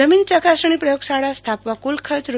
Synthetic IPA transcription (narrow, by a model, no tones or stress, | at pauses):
əmint͡ʃəkasəɳ̃ipɾəjoksaɽast̪ʰapʋakulkʰət͡ʃɾu